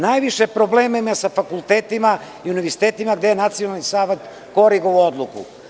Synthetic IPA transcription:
najʋiʃepɾobleːmemasafakulˠt̪eːt̪ima | iuniʋeɾsi̥t̪eːt̪imaɡd̪ejenat̪sionalnisaːʋet̪ | ko̞ɾiɡoʋuod̪lˠukṵ

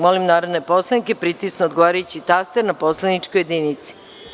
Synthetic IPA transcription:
molimnaːɾod̪ne̞po̞slˠanike̞pɾit̪isnood̪ɡo̞ʋaːɾajut͡ɕit̪ast̪eɾnapo̞slˠanit͡ʃkojed̪iːnit̪si̥

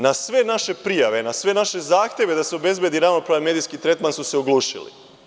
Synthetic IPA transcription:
nasʋe̞naʃe̞pɾijaʋe̞nasʋe̞naʃe̞zaːxt̪jeʋed̪aseo̞be̞zbje̞d̪iɾaːʋnopɾaame̞d̪ijskit̪ɾe̞t̪mansuseoɡlˠuːʃḭlḭ

